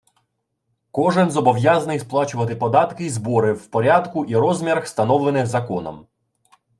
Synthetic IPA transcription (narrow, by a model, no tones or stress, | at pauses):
kɔʒɪnzɔbɔʋjazɐnɪjsplˠɑt͡ʃʊʋɐt̪̬ɪpɔd̪ɑt̪kɪizbɔɾɪwpɔɾʲɑd̪kʊʔiɾɔzmʲiɾxst̪ɐnɔwlˠenɪxzɐkɔnɔ̰m